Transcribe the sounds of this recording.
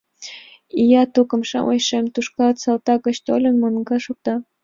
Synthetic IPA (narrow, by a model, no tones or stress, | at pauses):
ijɑt̪ukə̆mʃɑ̰ʔo̰jʃemt̪uʃkɑlt̪sɑlt̪ɑkə̆t͡ɕt̪olʲə̆nmonɡɑʃuk̚t̪ɑ